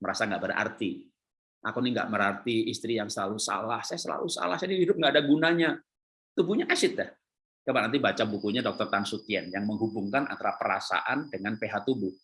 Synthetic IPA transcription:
məɾasaŋɡaʔbəra̰rt̪i | ʔakoniŋɡa̰ʔməɾart̪iist̪ɾijaŋsəlalusa̰lahsajasəla̰lusa̰lahsanihidʊp̚ŋɡaːdaɡunaɲa | t̪ubuɲaʔasɪt̪̚ɛh | kabanant̪ibat͡ʃabukuɲadɔk̚t̪ɔrt̪ansut̪iɛnjaŋməŋɦubuŋkanʔa̰nt̪aɾahpəɾa̰sa̰ʔandəŋanpeɦat̪ubʊh

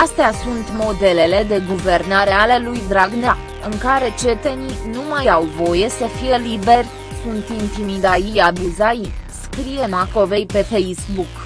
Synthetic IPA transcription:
ast̪easunt̪mo̞d̪e̞le̞le̞d̪e̞ɡuve̞rnaɾe̞ale̞lujd̪ɾaɡna | ɨŋkaɾe̞t͡ʃe̞t̪e̞ninumajawvo̞je̞səfije̞libe̞rʲ | sunt̪int̪imid̪aijabuzaiskɾije̞nako̞ve̞jpe̞fe̞jsbuk

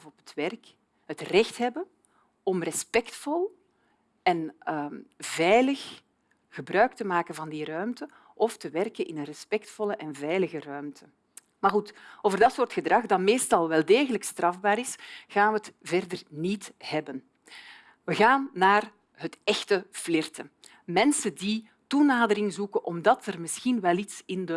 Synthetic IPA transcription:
vɔpətʋɛrk | ɦətrɛxtɦɛbən | ɔmrɛspɛktfɔlˠ | ɛn | vɛjləx | ɣəbrœɥk̚təmaːkənvɑndiɾœɥmtə | ʔɔftəʋɛrkənʔɪ̰nənrɛspɛk̚tfɔlˠəʔɛnvɛjləɣərœɥmtʰə | marɣutoːvərdɑtsoːrtxədrɑxdɑtmeːstɑlˠʋɛlˠdeːɣələkstrɑvbaːɾɪsɣaːnʋəətvɛrdərnitɦɛbən | ʋəɣaːnːaːr | ɦətɛxtəflɪrtə | mɛnsəndi | tunaːdəɾɪŋzukənʔɔmdɑtərmɪsxinʋɛlitsɪndə

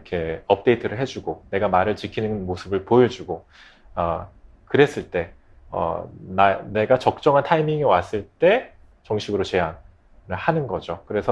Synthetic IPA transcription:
kʰe̞ʌp̚t͈e̞itʰɯɾɯɭɦe̞d͡ʑuɡone̞ɡamaɾɯɭt͡ɕikʰinɯnmosʰɯbɯɭpoʌd͡ʑuɡo | ʌ | kɯɾe̞s͈ɯɭt͈e̞ | ʌ̰nane̞ɡat͡ɕʌk̚t͡ɕ͈ʌŋɦantʰaimiŋiwas͈ɯɭt͈e̞ | t͡ɕʌŋɕʰiɡɯɾot͡ɕe̞an | nɯɭhanɯnɡʌd͡ʑokɯɾe̞sʰʌ

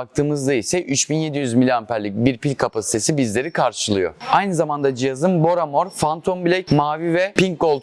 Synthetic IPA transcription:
ak̚t̪ʰɯːmɯzd̪aisɛʔyt͡ʃbinje̞d̪ijyzmilʲanpæɾlʲicbiɾpilʲkʰapasi̥t̪ʰe̞sibizlʲe̞ɾikʰaɾʃɯlˠɯjo̞̰ajnɯzamand̪ad͡ʒijazɯmbo̞ɾamo̞ɾfant̪ʰonbilʲɛcmaːvivɛpiŋkɡolˠ

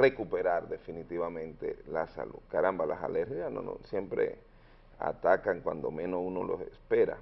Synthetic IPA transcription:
re̞kupe̞ɾaɾd̪e̞finit̪iβamẽ̞nt̪e̞̰lasa̰luðkaɾambalasa̰leɾxiano̰no̰sje̞mpɾḛ | a̰t̪akaŋkwand̪o̞mẽnosuno̞lo̞sespe̞ɾa̰

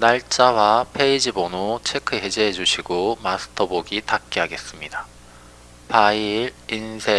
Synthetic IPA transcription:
naɭt͡ɕ͈awapʰe̞id͡ʑibonot͡ɕʰe̞kʰɯɦe̞d͡ʑeɦed͡ʑuɕʰiɡomasʰɯ̥tʰʌboɡitak̚k͈eɦaɡe̞s͈ɯmɲida | paiɾinsʰe

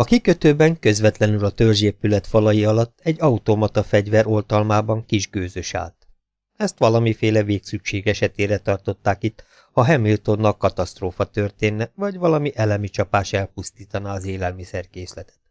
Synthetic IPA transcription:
ɒkikø̞t̪øːbɛŋkø̞zʋɛt̪lɛnylɒt̪ølʒeːpylɛt̪fɒlɒjiɒlɒt̪ːɛɟːɒut̪omɒt̪ɒfɛɟʋɛɾo̞lt̪ɒlmaːbɒŋkiʒɡøːzøʃa̰ːlt̪ | ɛst̪ʋɒlɒmifeːlɛveːksykʃeːɡɛʃɛt̪eːɾɛt̪ɒrt̪o̞t̪ːaːkit̪ː | hɒɦɛmilt̪o̞nːɒkɒt̪ɒst̪roːfɒt̪ørt̪eːnːɛvɒɟʋɒlɒmiʔɛlɛmit͡ʃɒpaːʃɛlpust̪iːt̪ɒnaɒzeːlɛlmisɛrkeːslɛt̪ɛ̥t̪

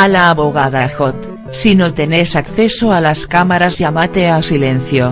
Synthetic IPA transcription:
alaːβoɣaðaxot̪ | sinot̪enesakθesoalaskamaɾazʝamat̪easilẽn̟θjo

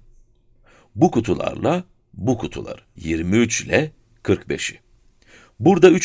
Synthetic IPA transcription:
bukʰut̪ʰulˠa̰ɾlˠa | bukʰut̪ʰulˠa̰ɾɯjiɾmiyt͡ʃlʲɛ | kʰɯɾkbe̞̰ʃi | buɾd̪ayt͡ʃ

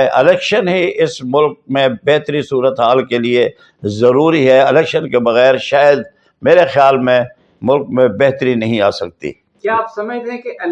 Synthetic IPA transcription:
ʔɪlɛːkʃənɦiʔɪsmʊlk̚mẽbɛɦt̪ɾisuːɾət̪ɦaːlkelie | zɐɾuːɾiɦɛɪlɛːkʃənkebɐɣɛːɾʃaːjəd̪̚ | meːɾexjaːlmẽ | mʊlk̚mẽbɛɦt̪əɾinɐɦĩaːsɐk̚t̪ḭː | kjaːpsɐməd͡ʒt̪eɦɛ̃ke

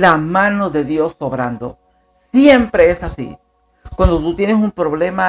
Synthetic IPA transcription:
lamãno̞ðe̞ðjo̞so̞βɾa̰nd̪o̞̰ | sjempɾe̞esasḭ | kwand̪ot̪ut̪je̞nesumpɾo̞β̞le̞ma

